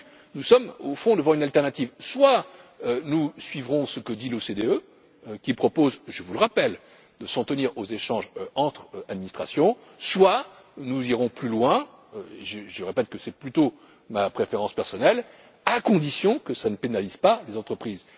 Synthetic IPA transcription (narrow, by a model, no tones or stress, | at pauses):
nusɔmofɔ̃d̪əvɑ̃ynalt̪ɛʁnat̪ivswaønusɥivʁɔ̃səkəd̪ilosed̪eø | kʲipχɔpozʒəvuləʁapɛl | d̪əsɑ̃t̪əniʁozeʃɑ̃ʒɑ̃t̪χad̪̚minist̪χasjɔ̃ | swa | nuziʁɔ̃plylwɛ̃ | eʒəʒəʁepɛt̪̚kəsɛplyt̪o | mapχefeʁɑ̃spɛʁsɔnɛl | akɔ̃d̪isjɔ̃kəsanəpenalizpalezɑ̃t̪χəpχiz